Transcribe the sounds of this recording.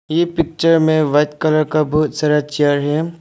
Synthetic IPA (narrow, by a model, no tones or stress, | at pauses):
jepɪk̚t͡ʃəɾmẽʋɐt̪kələɾkabɔɦʊt̪saːɾat͡ʃeɾɦɛː